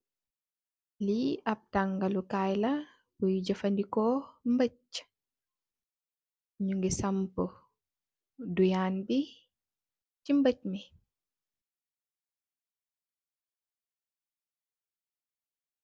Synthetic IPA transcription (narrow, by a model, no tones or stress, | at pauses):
liap̚taŋɡalukajla | bujd͡ʒɐfandikɔmbəc | ɲuŋɡisampɔ | dujaːnbi | t͡ʃimbəc̚mi